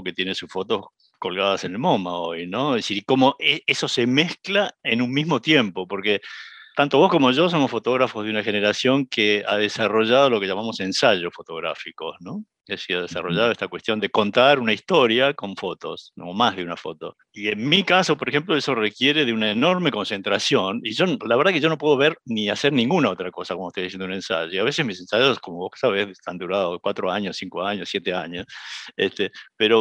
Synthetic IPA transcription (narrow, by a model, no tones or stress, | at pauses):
ket̪je̞nesusfo̞t̪o̞s | ko̞lɣaðase̞nelmomaojnoðesiɾko̞mo̞ʔeeso̞se̞mehklaenunmizmo̞t̪je̞mpo̞po̞ɾket̪ant̪o̞βo̞skomo̞ʒo̞s̬o̞mosfo̞t̪o̞ɣɾafozðeunaxe̞neɾasjo̞ŋkea̰ðesaro̞ʒaðo̞lo̞keʒamamo̞se̞nsaʒo̞sfo̞t̪o̞ɣɾa̰fiko̞sno | esiaðesa̰ro̞ʒaðoest̪akwest̪jo̞nd̪e̞ko̞nt̪aɾunaist̪o̞ɾjako̞ɱfot̪o̞somomazðeunafo̞̰t̪o̞ | ienmikaso̞poɾexemploeso̞rekje̞ɾe̞ðeunaeno̞ɾmeko̞nse̞nt̪ɾasjo̞niʒo̞laβeɾðakeʒo̞no̞p̬weðo̞βeɾniaseɾnĩŋɡunaot̪ɾako̞sakomoet̪ojðisend̪une̞nsa̰ʒoiaβesesmise̞nsaʒosko̞moβo̥saβesðet̪and̪uɾaðokwat̪ɾoaɲosiŋkoaɲosjet̪eaɲosest̪epeɾo̞